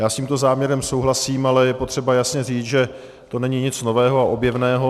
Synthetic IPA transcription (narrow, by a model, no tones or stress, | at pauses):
jaːsciːmt̪o̞zaːmɲɛɾɛmso̞wɦlasiːmalɛjɛpot̪r̝̥ɛbajasɲɛriːt͡sʒɛ | t̪o̞nɛɲɪɲɪt͡sno̞vɛːɦo̞aʔo̞bjɛvnɛːɦo